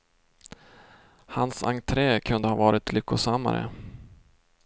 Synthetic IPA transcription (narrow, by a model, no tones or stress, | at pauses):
hansaŋt̪ʰɾɛːkʰɵnd̪əhɑːvɑːɾɪt̪lʏkːʊsamːa̰ɾə̰